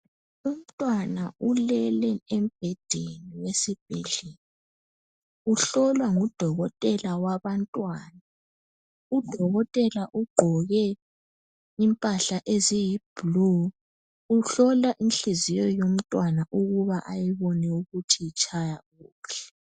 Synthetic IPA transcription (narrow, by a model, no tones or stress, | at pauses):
um̩tʼwanaʔulɛlɛem̩b̥ʱɛd̥ʱeniwesib̥ʱɛɮeni | uɬɔlwaŋud̥ʱɔɣɔtʼɛlawaβantʼwaːna | ud̥ʱɔɣɔtʼɛlaʔuɡ͡ǃʱɔɣɛ | impʼaɬaʔezijib̥lu | uɬɔlaʔinɬizijɔjom̩tʼwanaʔuɣuβaʔajiβɔnɛuɣutʰijit͡ʃʼajaɣuːɬɛ̥